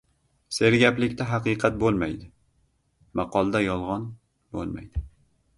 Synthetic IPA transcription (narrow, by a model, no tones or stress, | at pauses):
se̞ɾɡʲaplɪkʲt̪aɦɑqɨqʰat̪̚bolˠmajd̪ɪ | mɑqɒlˠd̪ajɒlˠʁɒn | bo̰lˠma̰jd̪ɪ